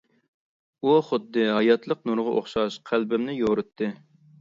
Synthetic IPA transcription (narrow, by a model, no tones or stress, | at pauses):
uχʊd̪ːɨɦɑjɑt̪lˠəqnuɾʁɑʔoχʃɑʃqʰælbɪmnɪjoɾɨt̪ʰːɨ